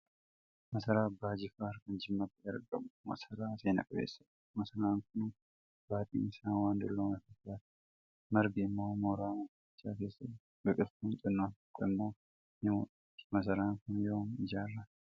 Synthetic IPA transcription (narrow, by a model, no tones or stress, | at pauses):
mɐsɐɾaːbːaːd͡ʒɪkaːɾkɐnd͡ʒɪmːɐb̪ɪdɐɾɡɐ̰bʊmɐ̰sɐɾaːseːnɐ̰kʼɐbḛːsːɐᶑ̪ | mɐsɐɾaːŋkʊn | baːt̪ʼḭːnɪsaːnwaːnd̪ʊ̰lːoːnɐfɐtːaːt̪ | mɐɾɡɪːmːo̞ːmoːɾaːmɐfɪt͡ʃːaːke̞ːsːɐt̪ | ɡɐkʼɪt̪kʊnt͡ʃʼɪnːoːnɐ̥kʼːɪmːoː | nɪmo̰ᶑɐt̪ːɪ̥mɐsɐɾaːŋkʊnjoːmɪd͡ʒaːrːa